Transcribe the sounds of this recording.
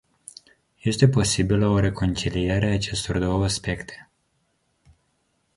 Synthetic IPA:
je̞st̪e̞po̞sibiləo̞ɾe̞ko̞nt͡ʃilieɾeaːt͡ʃe̞st̪o̞rd̪o̞wəaspe̞kt̪ʰe̥

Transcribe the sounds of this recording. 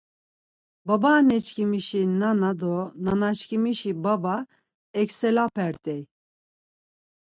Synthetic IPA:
babanɛt͡ʃkʰimiʃinanad̪ɔnanat͡ʃkimiʃibaba | ɛksɛlapʰɛɾt̪ʼɛj

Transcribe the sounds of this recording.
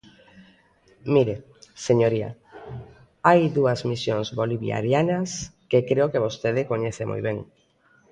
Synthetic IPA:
miɾe | seɲoɾia̰ | ajðuɐzmisjoŋzβoliβja̰ɾjanɐskekɾeokeβ̞ost̪eðɪkoɲeθemʔo̰jβeŋ

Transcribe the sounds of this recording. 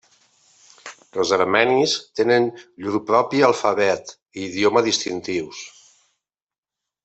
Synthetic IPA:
əlˠzəɾmɛnist̪enənʎuɾpɾɔpialˠfəβɛt̪ | iðjoməðist̪int̪iws

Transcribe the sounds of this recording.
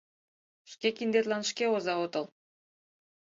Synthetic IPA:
ʃkʲekind̪et̪lˠɑnʃkʲeozɑot̪ɤ̆lˠ

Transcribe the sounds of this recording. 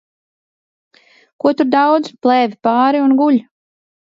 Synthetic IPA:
kuɔt̪uɾd̪awd̪zplˠɛːvʲipɑːɾiunɡuʎʲ

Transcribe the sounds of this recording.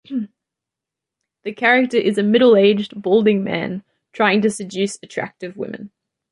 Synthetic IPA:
ðɨkʰæɹɪk̚tə˞ʔɪzəmɪɾl̩ˠeɪd͡ʒbɔʊlˠdɪ̃ŋmæ̰̃n | tʰɹ̥aɪɪ̃ŋtɨsɨd͡ʒʉˑsətʰɹ̥æ̰k̚tɨvwɪ̰̃mɨ̰̃n

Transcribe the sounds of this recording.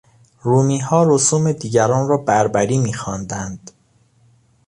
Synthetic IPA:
ɾuːmiːɦɒːɾosuːme̞d̪iːɟæɾɒːnɾɒːbæɾbæɾiːmiːxɒːnd̪ænd̪̥

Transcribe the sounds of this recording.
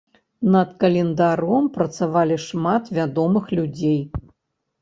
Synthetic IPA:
nɐt̪kɐlʲɛnd̪aɾɔmpɾɐt̪savalʲiʂmat̪vʲad̪ɔmɨxlʲud͡zʲej

